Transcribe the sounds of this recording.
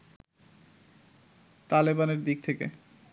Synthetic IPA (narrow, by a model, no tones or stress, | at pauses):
t̪alibaneɾd̪ik̚t̪ʰekḛ